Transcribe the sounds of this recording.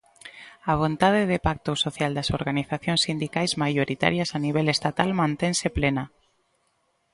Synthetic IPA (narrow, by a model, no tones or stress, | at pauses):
aβ̞ont̪að̞eðepak̚t̪osoθjald̪asoɾɣaniθaθjonsind̪ikajzmajoɾit̪a̰ɾjasaniβ̞elest̪at̪almãnt̪enseplena